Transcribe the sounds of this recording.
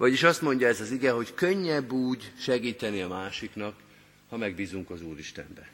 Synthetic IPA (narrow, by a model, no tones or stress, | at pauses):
vɒɟiʃɒst̪mo̞ɲɟɒɛzɒziɡɛɦo̞ckø̞ɲːɛbːuːɟʃɛɡiːt̪ɛniɒmaːʃiknɒk | hɒmɛɡ̚biːzuŋkɒzuːɾiʃt̪ɛ̰mbɛ